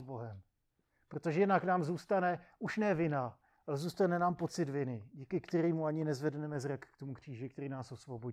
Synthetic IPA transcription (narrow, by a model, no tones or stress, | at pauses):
zbo̞ɦɛm | pɾot̪oʒɛjɛdnaknaːmzuːst̪anɛʔuʃnɛvɪna | alɛzuːst̪anɛnaːmpo̞t͡sɪd̪vɪnɪɟikɪkt̪ɛɾiːmuaɲɪnɛzvɛdnɛmɛzɾakːt̪o̞mukr̝̥iːʒɪk̚t̪ɛɾiːnaːso̞svo̞bo